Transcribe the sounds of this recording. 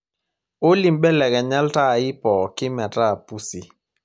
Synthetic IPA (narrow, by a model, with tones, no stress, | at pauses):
o˦li˨mɓɛ˦lɛ˨ɡɛ˨ɲa˦lta˦˨ɪ˦pɔ˨kɪ˦ma˨ta˦˨pu˦si˨